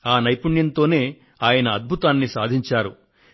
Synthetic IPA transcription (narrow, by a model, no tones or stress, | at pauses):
aːnɐjpuɳjɐnt̪o̞ːne̞ː | aːjɐnɐɐd̪̚bʱut̪aːnːisaːd̪ʱiɲt͡ʃaːɾu